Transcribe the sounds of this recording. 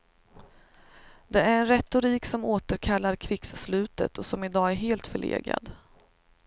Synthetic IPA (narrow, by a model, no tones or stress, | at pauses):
d̪ɛæɾɛnɾɛt̪ʊɾiːksɔmoːt̪əɾkʰalːaɾkʰɾɪɡ̥sːlʉ̟ːt̪ə̰t̪ɔsɔmɪd̪ɑːæɾɦeːlt̪fœɭḛːɡɾa̰d̪